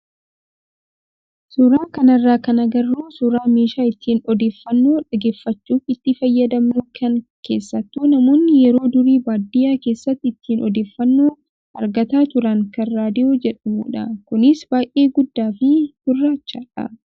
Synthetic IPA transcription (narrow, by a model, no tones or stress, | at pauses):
sʊɾaːkɐnɐrːaːkɐnɐɡɐrːuːsʊɾaːmeːʃaːɪt̪ːiːnɔd̪e̞ːfːɐnːoːᶑɐɡe̞ːfːɐt͡ʃːuːfɪt̪ːɪfɐjːɐd̪ɐmnʊkʰɐŋkḛːsːɐt̪ːunɐmo̞ːnːɪjɛɾo̞ːd̪ʊɾiːbaːd̪ɪjaːkeːsːɐt̪ːɪt̪ːiːnʔɔd̪e̞ːfːɐnːoː | ɐɾɡɐt̪aːt̪ʊɾɐŋkɐrːaːd̪ɪjoːd͡ʒɛᶑɐmṵːᶑɐkʊnɪsbaːjʔe̞ːɡʊd̪ːaːfɪhʊrːaːt͡ʃːaːᶑɐ̰